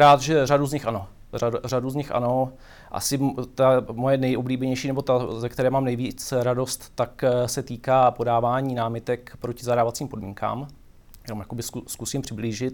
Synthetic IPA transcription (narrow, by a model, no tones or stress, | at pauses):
ɾaːt̪ʒɛraduzɲɪxʔano̞ | araduzɲɪxʔa̰no̞ | ʔa̰sɪt̪amojɛnɛjʔobliːbɛɲɛjʃiːnɛbo̞t̪azɛkt̪ɛɾɛːmaːmnɛjviːt͡sɾado̞st̪ːaksɛt̪iːkaːpo̞daːvaːɲiːnaːmɪt̪ɛkpɾocɪzaɾaːvat͡siːmpo̞dmḭːŋka̰ːm | jamjakobɪsskusiːmpr̝̥ɪbliːʒɪt̪